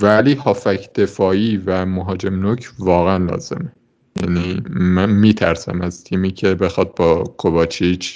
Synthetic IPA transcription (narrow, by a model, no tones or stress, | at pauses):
væliːhɒːfæcʰd̪̥e̞fɒːiːvæmoɦɒːd͡ʒe̞mnocʰvɒːɣeænlɒ̰ːz̥e̞̰me | jæ̰niːmænmiːt̪ʰæɾsæ̰mæz̥t̪ʰiːmiːcʰe̞be̞xɒd̪̚bɒːkʰovɒːt͡ʃʰit͡ʃʰ